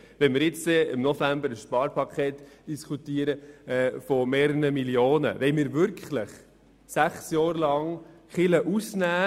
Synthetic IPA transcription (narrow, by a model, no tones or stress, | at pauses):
ʋɛnmɪɾjɪt͡sɛɪmnɔfæmbəɾəsʃpɑːɾpɑkʰeːtd̥iskʰut̪iːəɾəɛfɔmeːɾəɾəmiljoːnə̰ʋɛɪmɪːɾvʏɾkχləχ | sæχsjɔːɾlɑŋ | χɪləʔusnæː